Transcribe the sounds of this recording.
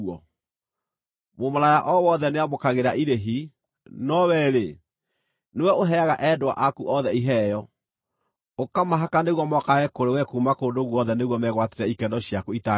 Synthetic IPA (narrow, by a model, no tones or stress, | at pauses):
ɔ | momɔɾajaʔɔwɔðɛneamokaɣeɾaʔiɾeɦi | nɔwɛɾe | newɛoɦɛaɣaʔɛdwa̰ʔakuʔɔðɛiɦɛjɔ | okamaɦakaneɣwɔmɔkaɛkoɾewɛkumakoːndoɣwɔðɛneɣwɔmɛɣwateɾɛikɛndɔɕiakuita